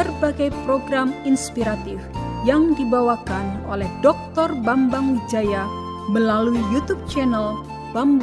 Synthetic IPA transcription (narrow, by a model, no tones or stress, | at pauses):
ərbaɡajpɾoɡɾaminspiɾat̪ɪfjaŋdibawakano̰lɛhdɔk̚t̪ɔrbambaŋwid͡ʒaja | məlalujut̪up̚t͡ʃɛnɛl | b̥am